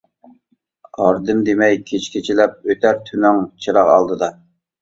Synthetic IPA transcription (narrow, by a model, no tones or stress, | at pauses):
ɑɾd̪ɨmd̪emɛjkʲʰet͡ʃkʲʰet͡ʃʰilɛp̚øt̪ʰæɾt̪ʰynɪŋt͡ʃʰɨɾɑqɑ̰lˠd̪ɨd̪ɑ